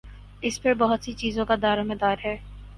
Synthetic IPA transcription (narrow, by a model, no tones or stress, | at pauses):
ɪspəɾbɔɦʊt̪sit͡ʃiːzõkad̪aːɾomed̪aːɾɦɛː